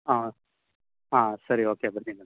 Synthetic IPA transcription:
a | aːsɐɾioːkeːɐbɐɾt̪iŋɐ

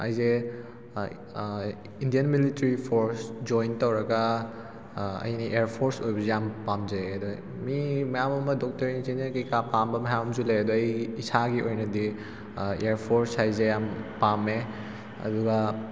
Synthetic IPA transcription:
a̰jze | indijenmilitɐɾipʰoɾsd͡ʒojntɐwɾɐɡɐ | ɐ̰jniʔeɾpʰoɾsojbɐzejampamzeɐdɔ | mimɐjamɐmɐdɔk̚tɐɾiŋzinekɐjkapambɐmɐjamɐmzuleɐdɔɐjisaɡiʔojnɐdi | eɾpʰoɾshajzejampame | ɐ̰duɡɐ

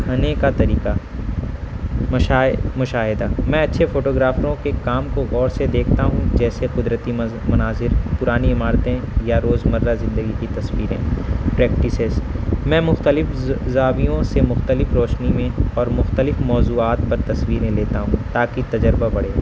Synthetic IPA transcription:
ɐneːkat̪ɐɾiːqa | mʊʃaːɦɪd̪amɛ̃ɐtːʃʰefoːʈoːɡɾaːfɾõkekaːmkoɣɔːɾsed̪eːkʰt̪aɦũd͡ʒɛːseqʊd̪ɾət̪i | mɐnaːzɪɾpʊɾaːniɪmaːɾt̪ẽ | jaɾoːzmɐɾːazɪ̃nd̪əɡikit̪ɐswiːɾḛ̃ːpɾɛːk̚ʈɪsɪzmɛ̃ːmʊxt̪əlɪfzaːwijõsemʊxt̪əlɪfɾoːt͡ʃnimẽɔːɾmʊxt̪əlɪfmɔːzuːaːt̪̚pɐɾt̪ɐswiːɾẽleːt̪aɦũt̪aːkit̪ɐd͡ʒəɾbabɐɽ̤eː

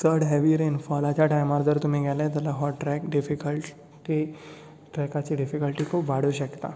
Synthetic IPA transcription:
t̪ʰəɾɽɦeʋiɾenfɔlat͡ɕjaʈajmaɾd͡zəɾt̪um̤iːɡʱɛlet̪jalaɦɔʈʈːɾɛkɖifikəl | ʈi | ʈɾɛkat͡ɕiːɖifikəlʈiːkʰoʋaɽuːɕəkt̪a̰

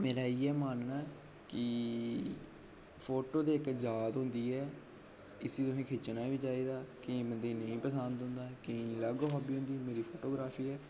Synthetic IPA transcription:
meːɾaːiːɛːmaːnnaːɛ | kɪ | pʰoːʈoːd̪eːɪkd͡ʒaːt̪ɦʊ̃ːnd̪iːɛː | ɪsiːt̪ʊɦẽːkʰeːt͡ʃnaːʋiːd͡ʒaːiːd̪aːkɪĩːbənd̪eːnəĩːpəsənd̪ʊ̃ːnd̪aːkəĩləɡɦaːbiːɦʊ̃ːnd̪iːmeːɾiːpʰoːʈoːɡɾaːpʰiːɛː

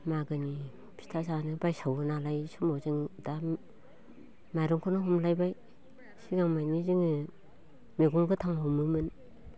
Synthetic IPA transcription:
maɡɯni | pʰi̥stʰazanɯbajsawɯnalajsumazɯŋda | majɾɔŋkʰonɯɦumlajbaj | siɡaŋmajniziŋɯ | meɡuŋɡɯtʰaŋhomɯmɯn

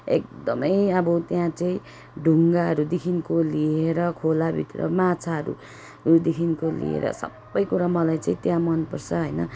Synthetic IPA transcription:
ḛk̚d̪ʌmʌjʌbʌt̪jãt͡saĩ | ɖʱuŋɡaɦʌɾud̪ikʰinkolieɾʌkʰolabʱḭt̪rʌ̰mat͡sʰaʌɾṵ | ud̪ekʰinkolḭḛɾʌ̰sʌ̰bːʌjkuɾamʌlajt͡saĩt̪jãmʌnpʌrt͡sʰʌɦʌjnʌ

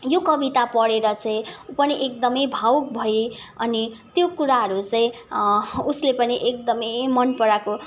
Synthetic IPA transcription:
jokʌbit̪apʌɽeɾʌt͡saĩupʌniʔek̚d̪ʌmʌjbʱawk̚bʱʌiʌnit̪jokuɾaɦʌɾut͡saĩ | uslepʌniʔek̚d̪ʌmʌjmʌnpʌɾako

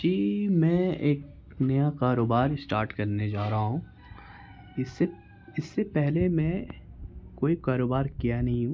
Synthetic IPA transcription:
d͡ʒiːmɛ̃eːk | nɐjakaːɾoːbaːɾɪsʈaːɾʈkɐɾned͡ʒaːɾɐɦaɦũː | ɪsːe | ɪsːepɛɦlemɛ̃ | koːikaːɾoːbaːɾkijanɐɦĩɦũ

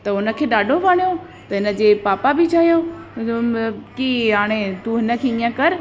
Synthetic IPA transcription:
t̪ɐʊnə̆kʰeːɗaːɖʱobʱaːɽ̃ijo | t̪ɐɦɪnə̆d͡ʑeːpaːpabɪt͡ɕʰaːɦijo | kiɦaːɽ̃et̪uɦɪnə̆kʰeːĩːãkɐɾ

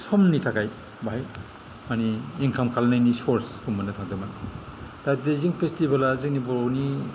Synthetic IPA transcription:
sɔmnitʰakaj | baɦaj | maniːŋkʰamkʰalnajnisoɾskʰumbɐnɐtʰak̚dɯmantatdeziŋpʰestibalazik̚nibɔɾni

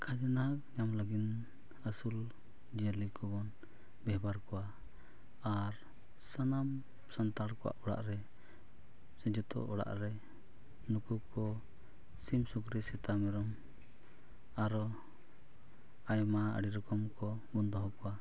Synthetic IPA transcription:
kʰad͡ʒənakɲamləɡin | əsul | d͡ʒiəlikɔbɔn | bɛɦbaɾkɔwa | aɾ | sənam | sənt̪aɽkɔwa̰ʔɔɽa̰ʔɾɛ | sɛd͡ʒɔt̪ɔ̰ʔɔɽa̰ʔɾɛ | nukukɔ | simsukɾɛsɛt̪amɛɾɔm | aɾɔ | ajmaə̰ɽiɾɔkɔmkɔ | mɔnd̪ɔɦɔkɔwa

